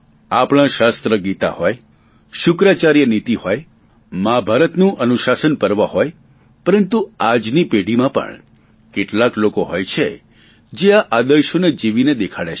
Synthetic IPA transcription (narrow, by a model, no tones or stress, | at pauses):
apɽ̃ãʃast̪ɾəɡit̪a̰hɔj | ʃʊkɾat͡ʃaɾjənit̪ihoj | mabʱaɾət̪nũʔənuʃasənpəɾʋaɦoj | pəɾənt̪uad͡ʒnipeɽimãpə̰ɳ | keʈlaklokoɦɔjt͡ʃʰe | d͡ʒeaʔad̪əʃoned͡ʒiʋined̪ekʰaɽet͡ʃʰe